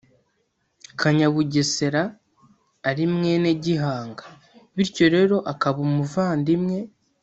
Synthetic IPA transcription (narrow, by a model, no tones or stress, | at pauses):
kʰaɲaβuɟese̞ɾaː | ɾimŋe̞neɟiɦaːŋɡḁ | βiɾco̞ɾe̞ːɾo̞ʔakaβumuvaːndimŋe̞